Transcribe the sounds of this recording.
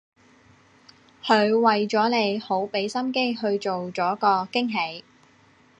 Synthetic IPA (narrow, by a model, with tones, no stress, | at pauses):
hɵ˨˧ɥwɐ˨jt͡sɔː˨˥le˨˧jho˨˥wpe˨˥jsɐ˥mke˥ɦɵ˧ɥt͡ʃo˨wt͡sɔː˨˥kɔː˧kɪ˥ŋɦe˨˥j